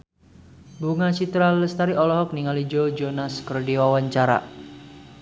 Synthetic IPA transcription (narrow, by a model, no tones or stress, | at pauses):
buŋasit̪ɾaləst̪aɾiʔɔlɔɦɔk̚niŋalid͡ʒod͡ʒonaskərdiwawaɲt͡ʃaɾa̰